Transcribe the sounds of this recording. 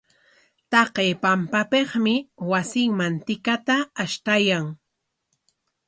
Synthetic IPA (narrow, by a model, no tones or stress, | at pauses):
t̪ɑqeːpampapeχmɪwasɪŋmant̪ɪkat̪aːʃt̪ajaŋ